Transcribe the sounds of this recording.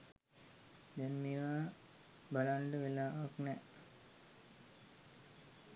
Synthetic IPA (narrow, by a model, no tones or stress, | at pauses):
d̪ɛnmeʋaː | balaɳɖəʋelaːʋaknɛ